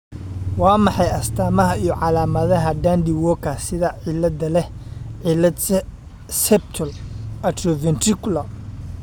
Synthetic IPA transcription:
wɑːmɑħɑjɐst̪ʰaːmɐɦɐijɔʕɑlaːmɐðɐɦɐɖaːnd̪ɪwɔːkʰɐsɪðɐʕɪlɐd̪ɐlɛhʕɪlɐd̪ | sɛp̚t̪ʰɔlɐt̪rɔvɛnt̪rɪkʰʊlɐ

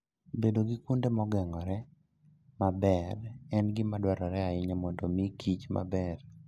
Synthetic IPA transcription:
bedoɡɪkundemɔɡɛŋɔɾɛ | mabɛrɛnɡɪmadwaɾɔɾɛaɪɲamɔndomikʰit͡ʃma̰bɛr

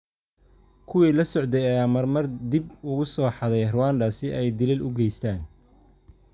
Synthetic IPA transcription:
kʰʊwiːlɐsɔʕd̪ɛjɐjaːmɐrmɐrd̪ibʊɣʊsɔːħɑðɛjrʊwaːnd̪ɐsɪʔɛjd̪ɪlɪlʊɡɛjst̪ʰaːn

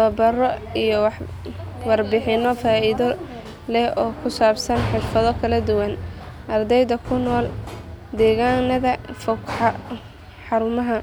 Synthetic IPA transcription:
ɔːbɐrɔijɔwɑħ | wɑrbɪħɪnɔfaːiðɔ | lɛɔːkʰʊsaːbsɐnħɪrfɐðɔkʰɐlɐd̪ʊwɐn | ʔɐrd̪ɛjðɐkʰʊnɔːld̪ɛːɣanɐðɐfɔkħɑ | ħɑɾʊmɐɦɐ

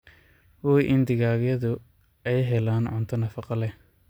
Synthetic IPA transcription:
wɔːjʔɪnd̪ɪɣaːɣjɐðʊ | ɛjɦɛlaːnʕʊnt̪ʰɔnɐfɑqɑlɛ

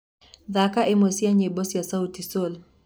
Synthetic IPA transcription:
ðakaʔemosiaɲebɔsjasautisol

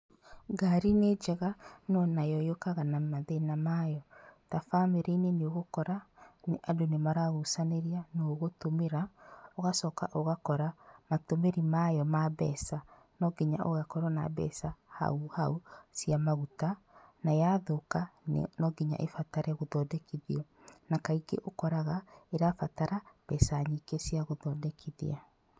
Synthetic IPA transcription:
ɡaɾined͡ʒɛɣanɔnajɔjokaɣanamaðenamajɔtafameɾeineneoɣokɔɾaneʔadonemaɾaɣusaneɾianoɣotomeɾaoɣasɔkaʔoɣakɔɾamatomeɾimajɔmaβɛsa | nɔɡiɲaʔoɣakɔɾɔna̰bɛ̰saha̰uhausiamaɣuta | najaðoka̰nɔɡiɲa̰ʔefataɾɛɣoðɔːdɛkiðiɔ | nakaiɡḛʔokɔɾaɣaeɾafataɾab̥ɛsaɲikesiaɣoðɔdɛkʰiðḭa

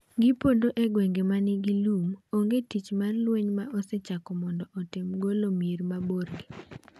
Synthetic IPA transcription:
ɡɪpondoʔeɡwɛŋɡemanɪɡilumoŋɡetit͡ʃmarlweɲmaʔɔsɛt͡ʃakɔmɔndɔʔɔtɪmɡolomirmaborɡe

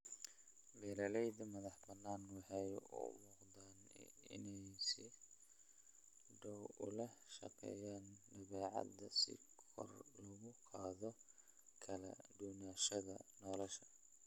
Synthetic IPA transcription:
bɛːɾɐlɛjd̪ɐmɐðɐħbɐnːaːnwɑħɛjṵmʊːqd̪anɪ̰nɛjsɪ | ɖɔwʊ̰lɐʃɐ̰qɛ̰ːjaːndɐβɛːʕɑ̰d̪ɐsɪ̰kʰɔ̰rlɐɣʊqʰɑːðɔ | kʰɐlɐ̰ɖuːnaːʃɐðɐnɔlɔʃɐ̥

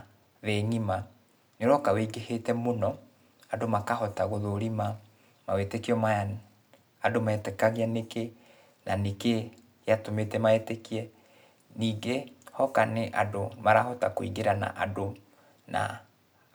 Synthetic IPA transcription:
ðɛɲima | neɾɔkaweiɡehetɛmonɔ | adomakahɔtaɣoðoɾima | mawetekiɔmaa | adomaɛtɛkaɣeɛneke | naneke | jatometɛmaetekiɛ | niːɡehɔkaneʔadomaɾahɔtakoḭɡeɾana̰ʔado | na̰

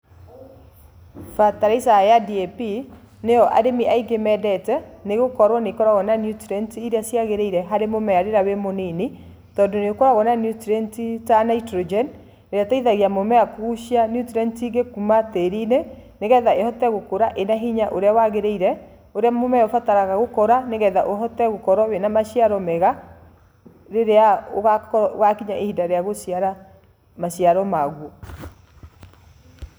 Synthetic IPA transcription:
fataɾaisajadiɛpi | nejɔʔa̰demiʔaiɡemɛdɛtɛneɣokɔɾwɔnekɔɾaɣɔnanjutɾɛntiiɾeasjaɣeɾeiɾɛɦaɾemomɛjaɾeɾawemoneni | tɔndoneokɔɾaɣɔnanjutɾɛntitanaitɾod͡ʒɛn | eɾjataiðaɣiamomɛakuuʃianjutiɾɛntiɡekumateɾineneɣɛðaehɔtɛɣokoɾaʔenaɦiɲaʔoɾeawaɣeɾeiɾɛ | oɾeamomɛjɔfataɾaɣaɣokɔɾaneɣɛðaʔoɦɔtɛɣokɔɾɔwenamaɕiaɾɔmɛɣa | ɾeɾeaoɣkɔɣakiɲaʔehidaɾeaɣosjaɾa | maɕjaɾɔmaɣwɔ

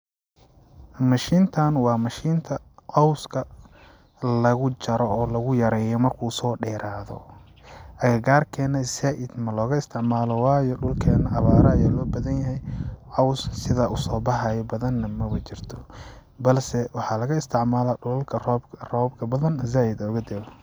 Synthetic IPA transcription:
mɐʃiːnt̪ʰɐnwɑːmɐʃiːnt̪ʰɐ | ʕɑwskʰɐ | lɐɣʊt͡ʃɐɾɔɔːlɐɣʊjɐɾɛːjɔmɐrkʰusɔːɖɛːɾaːðɔ̰ | ʔɐɣɐɡaːrkʰɛːnɐzaːʔɪd̪mɐlɔːɣɐɪst̪ʰɪʕmaːlɔwɑːjɔɖʊlkʰɛːnɐʔɑβaːɾɐɐjaːlɔːbɐðɐnjɐɦɛjʕɑwssɪðaʔʊsɔːbɑħɑjɔbɐðɐnːɐmɐβɐt͡ʃɪrt̪ʰɔ̥ | bɐlsɛwɑħɑlɐɣɐɪst̪ʰɪʕmaːlaʊlkʰɐrɔːbrɔːbkʰɐbɐðɐnzaːjɪd̪ɔːɣɐd̪ɛl

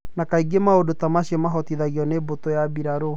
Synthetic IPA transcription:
nakaiɡemaodotamaɕemaɦɔtiðaɣiɔnebotojabiɾaɾo

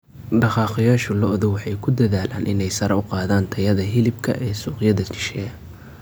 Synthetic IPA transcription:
ɖɑqɑːqɪjaːʃɔlɔʔðʊwɑħɑjkʰʊd̪ɐðaːlaːnʔɪ̰nɛjsɐɾɛʊqɑːðaːnt̪ʰɐjɐðɐɦɪlɪbkʰɐ̰ʔɛːsuːqjɐðɐt͡ʃʰɪ̥ʃɛɐ

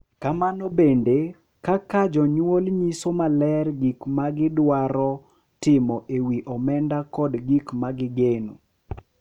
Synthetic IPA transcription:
kamanɔbende | kakad͡ʒɔɲwolɲisomalɛrɡikmaɡɪdwaɾɔ | tɪmɔʔewiʔɔmɛndakɔdɡikmaɡɪɡenu

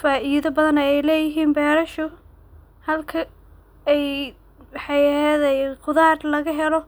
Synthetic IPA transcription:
faːʔiːðɐbɐðɐnɐɛjlɛːjɪɦiːnbɛːɾɐʃʊ | hɐlkʰɐ | ɛj | wħɑɛːðɐqʊðaːrlɐɣɐɦɛlɔ

